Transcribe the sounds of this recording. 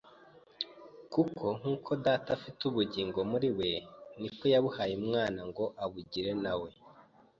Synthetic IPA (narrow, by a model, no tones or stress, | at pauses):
kukʰo̞ŋ̥uːkʰo̞daːtafituβuɟiːŋɡo̞muɾiwe̞niko̞jaβuhajimŋaːnaŋɡo̞ʔaβuɟiɾe̞nawe̞